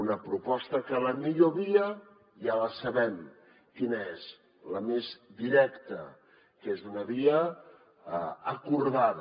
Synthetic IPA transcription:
unəpɾupɔst̪əkələmiʎoβiə | jaləsəβɛm | kinəez | ləmezd̪iɾɛkt̪ə̰ | kezunəβiə | kuɾðað

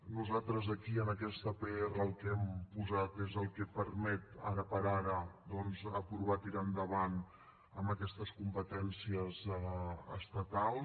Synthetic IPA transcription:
nuzat̪ɾəzəkiənəkɛst̪əpɛəlˠkɛmpuzat̪ezəlˠkəpəɾmɛt̪a̰ɾəpəɾaɾəd̪ɔnzəpɾuβat̪iɾand̪əβan | əməkɛst̪əskumpət̪ɛnsiəzəə̰st̪ət̪alˠ

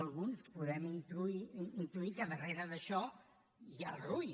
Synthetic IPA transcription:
alˠɣũnskɨ̥puðɛ̃ĩnt̪ɾũĩnt̪ɾuikaβɐrejɾɐðɐʃɔ | ialruj

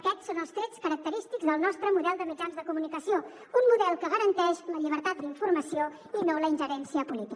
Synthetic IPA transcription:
əkɛsonəlˠst̪ɾet͡skəɾək̚t̪əɾist̪iɡzðəlˠnɔst̪ɾəmuðɛlˠd̪əmid͡ʒanzðəkumunikəsio | unmuðɛlˠkəɣəɾənt̪ɛʃləʎiβəɾt̪at̪̚d̪əiɱfurməsio | inoləinʲʒəɾɛnsiəpulit̪i

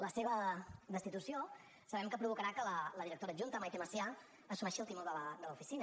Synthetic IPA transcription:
ləseβ̞əd̪əst̪it̪usio | səβɛmkəpɾuβ̞ukəɾakələləðiɾək̚t̪oɾəʒunt̪əmajpeməsia | əsunɛʃilˠt̪imolˠd̪ələd̪ələufisin

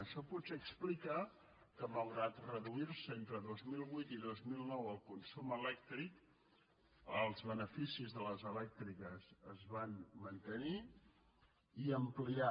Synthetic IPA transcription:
əʃɔput̪seəksplika | kəβəlɣɾat̪rəðuiɾsəent̪ɾəðozmilˠβujt̪iðozmilˠnɔwəlˠkunsuməlɛk̚t̪ɾik | əlˠzβənəfisizðələzəlɛk̚t̪ɾikəzəzβanmənt̪əni | iəmplia

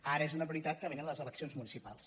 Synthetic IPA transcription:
aɾəezunəβəɾit̪at̪̚kəβenənləzələksijonzmunisipa̰lˠs

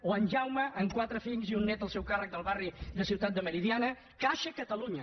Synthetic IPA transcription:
oənʒawməʔːŋkwat̪ɾəfiʎziunːɛt̪əlˠsɛwkarək̚d̪əlˠβariðəsiwt̪at̪̚d̪əməɾiðianə | kaʃəkət̪əluɲə

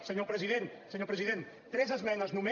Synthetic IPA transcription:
səɲopɾəziðent̪səɲopɾəziðent̪ | t̪ɾɛzəzmɛnɐznume

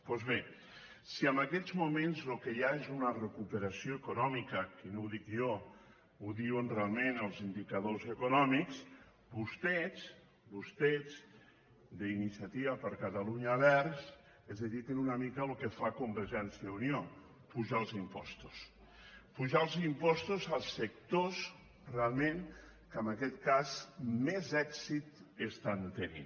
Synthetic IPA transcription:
pɔzβe | siəmbəkɛzmumenzlokəjaezunərəkupəɾasijoekunɔmikəkənouðikjo | uðiwənrealˠmenəlˠzind̪ikəðozəkunɔmiks | bust̪ɛz | bust̪ɛz | d̪əinisiat̪iβapəɾkat̪aluɲaβɛɾzs | ɛzðəðit̪enunəmikəlukəfakumbəɾʒɛnsiəunjo | puʒalˠzimpɔ̰st̪u̥s | puʒalˠzimpɔst̪uzəlˠsək̚t̪os | realˠmẽŋ | kəməkɛt̪kazmezɛksit̪əst̪ant̪ənḭn

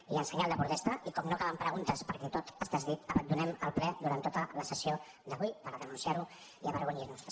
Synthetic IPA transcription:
iənsəɲalˠd̪əpuɾuðɛst̪əʔikɔmnokaβəmpɾəɣunt̪əspəɾkɛt̪ot̪əst̪azðit̪əβənd̪unɛməlˠplɛd̪uɾant̪ːot̪ələsəsio | d̪əβujpəɾəðənunsiaɾu | iəβəɾɣuɲinust̪

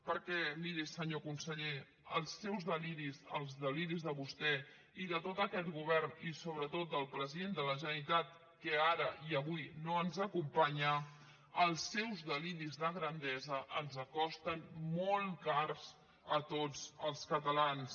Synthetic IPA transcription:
pəɾkɛmiɾisəɲokunsəʎe | əlˠsːɛwzðəliɾizə̰lˠzðəliɾizðəβust̪ɛ | iðət̪ot̪əkɛt̪ɡuβɛrnisoβɾət̪ot̪̚d̪əlˠpɾəziðend̪ələʒənəɾit̪at̪ | kəaɾəʔiəβujnoənzəkumpaɲə | əlˠsːɛwzðəliɾizðəɣɾənd̪ɛzəʔənzəkɔst̪ənmolˠkarz | ət̪od͡zəlˠskət̪əlans

